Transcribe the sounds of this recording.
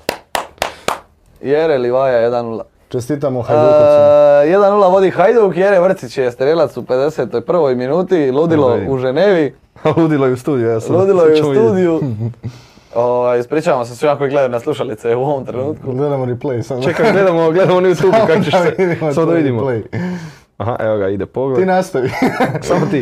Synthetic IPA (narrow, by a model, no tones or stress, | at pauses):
jeɾeliʋaːjajed̪anːula̰ | t͡ʃest̪it̪amoxaj | jed̪anːulˠaʋo̞d̪ixajd̪oukjeɾeʋr̩t̪sit͡ɕjest̪ɾeːlat̪supe̞d̪eset̪o̞jpr̩ʋo̞jminuːt̪ilˠuːd̪ilouʒeneːʋi | luːd̪ilˠojeust̪uːd̪ijuasluːd̪ilˠojeust̪uːd̪iju | oʋajspɾiːt͡ʃaʋamos̬esʋiakoiɡle̞d̪anaslˠuʃalit̪seuoʋomt̪ɾenuːt̪kuɡled̪amoɾiplejsat͡ʃekaled̪amoɡle̞d̪amonajut̪uːukakot͡ʃeʋid̪imamod̪aʋid̪imolej | aɦaʔeʋoɡaid̪epoɡleinast̪oisamot̪i